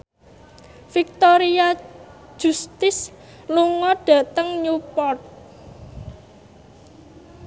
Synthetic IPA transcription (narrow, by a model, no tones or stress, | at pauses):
fik̚t̪oɾiḁ | ʒ̥ṳst̪ɪs | luŋɔɖ̥ä̤t̪əŋɲupɔt̪̚